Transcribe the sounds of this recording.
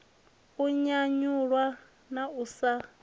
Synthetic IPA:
uɲaɲuɺwa | nausa

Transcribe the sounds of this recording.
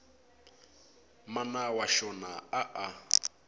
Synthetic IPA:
manawaʃɔnaaʔa

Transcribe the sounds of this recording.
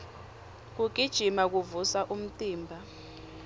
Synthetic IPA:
k̬uɡ̥ʱid̥ʒ̥ʱimak̬uvusaʔum̩tʼiːmbʱa

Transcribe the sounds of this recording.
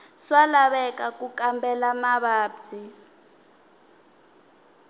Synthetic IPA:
swalaβɛkʼak̬ʼukʼambʱɛlamaβaːbzi

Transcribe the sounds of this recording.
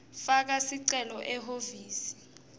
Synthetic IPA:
fak̬asiǀɛlɔʔɛɦoviːsi̥

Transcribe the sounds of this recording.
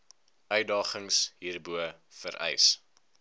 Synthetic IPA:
œɥdɑːχəŋsɦiːrbuəfəɾʔɛ̰js

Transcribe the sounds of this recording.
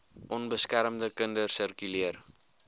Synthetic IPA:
ʔɔnbəskæɾəmdəkəndərsərkyliər

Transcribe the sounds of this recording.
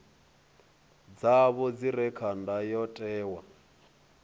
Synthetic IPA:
d͡zaβɔd͡ziɾɛkʰandajɔtʼɛːwa

